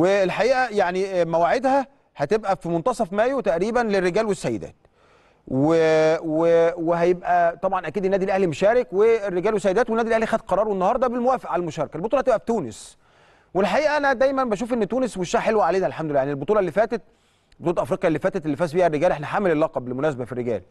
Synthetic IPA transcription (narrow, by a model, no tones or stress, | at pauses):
weːlħaʔiːʔæjaʕnimæwaʕed̪hæ | hæt̪ebʔæfimont̪ɑsˤɑfmæːjot̪æʔɾiːbænlerːeɡæːlwesːæjːḛd̪æ̰ːt̪̚ | weweweɦæjebʔæt̪ˤɑbʕɑnʔækiːd̪enːæːd̪ilʔæhlimoʃæːɾekweːrːeɡæːlwesːæjed̪æːt̪wenæːd̪ilʔæhlixæːd̪qɑɾˤɑːɾˤwenːɑhɑːɾˤd̪ˤɑbelmowæːfeʔʕalælmoʃɑːɾˤɑkælbot̪ˤuːlɑht̪ebʔæfi̥t̪uːnes | welħaʔiːʔæʔænæd̪æjmænbæʃ̬uːfʔenːt̪uːnesweʃːæːʔħelwæʕaleːnæʔlħamd̪olːjanielbot̪ˤuːlɑʔelːiːfæːt̪æt̪̚ | bot̪ulɑʔæfɾiːqjɑʔelːiːfæːt̪æt̪elːifæːbiːhærːeɡæːlʔeħnæħamelelːɑqɑbelmonæːsæbæfirːeɡæ̰ːl